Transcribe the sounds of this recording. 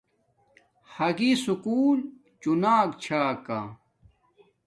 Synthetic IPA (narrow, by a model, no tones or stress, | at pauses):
hɐɡisukuːl | t͡ɕunaːkt͡ɕʰaːka